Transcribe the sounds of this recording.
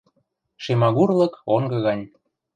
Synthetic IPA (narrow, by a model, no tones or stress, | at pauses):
ʃemɑɣurlɤ̆koŋɡɤ̆ɣɑnʲ